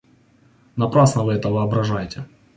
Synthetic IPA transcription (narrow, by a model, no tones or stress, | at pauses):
nɐpɾasnəvɨɛt̪əvɨɐbɾɐʐajtʲe